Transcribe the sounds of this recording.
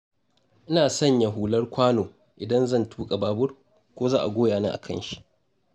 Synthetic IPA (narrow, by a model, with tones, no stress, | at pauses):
ʔɪ˦naː˨sɐ˦˨ɲja˨ɦuː˨lɐ˦rkʷaː˦noː˨ | ʔɪ˨dɐ˦nzɐ˦˨ntʰuː˦kʼa˨baː˨˦bʊ˦r | kʷoː˦zaː˦ʔa̰˨ɡʷoː˦jaː˨na̰ː˦ʔa̰˨kʰɐ̰˦nʃi˨ʔ